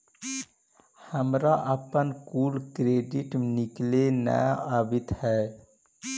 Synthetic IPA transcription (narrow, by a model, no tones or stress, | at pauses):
həmɾaʔəpənkuːlkɾeːɖɪʈnɪklenə̰jaːbɪt̪hɛː